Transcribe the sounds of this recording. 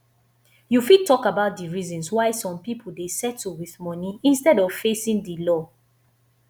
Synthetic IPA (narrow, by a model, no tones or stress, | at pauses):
jufid̚tɔkabaʊt̚diɹizɔ̃nswaɪsɔ̃mpipʰol̩desɛtːuwiðmɔniĩnstɛdɔv̥fesĩŋdəlɔ